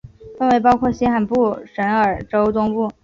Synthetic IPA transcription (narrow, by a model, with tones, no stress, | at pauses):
fə˥˧nwe˧˥ɪp̬ɑ˥ʊkʰwɔ˥˩ɕɛ˥xa˨˩npu˥˩ʂə˧˥nə˞˨˩ʈ͡ʂo˥ʊt̪ʊ˥ŋpu˥˩